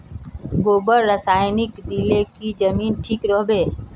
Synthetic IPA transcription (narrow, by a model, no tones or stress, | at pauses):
ɡoːbəɾːəsaːjnɪkd̪ilekid͡ʒəmiːnʈʰiːkɾoɦbeː